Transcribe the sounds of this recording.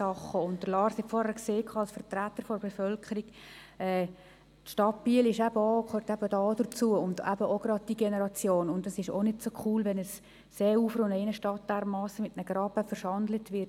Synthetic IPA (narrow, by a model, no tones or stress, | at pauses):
ɑχːəʊnt̚d̥əɾlɑːɾshɛtfɔːɾhækseːkʰɑːɑlsfəɾtɾætːəɾfɔɾb̥efœlkʰəɾiɡ̥ | ɛː | tʃtɑtb̥iːlɪʃæbəokʰhøːɾtæb̥ədɑːd̥ət͡suəʊndæ̰bəoɡ̥rɑd̚d̥iɡɛnəɾɑt͡sjoːnʊndəsɪʃo̰nɪdsokʰuːlʋɛnəsː | eːɾuːfɾonɛɪnəʃtɑt̚d̥ɛɾmɑːsəmɪtnəɡ̥ɾɑbəfəɾʃɑndlətʋɪt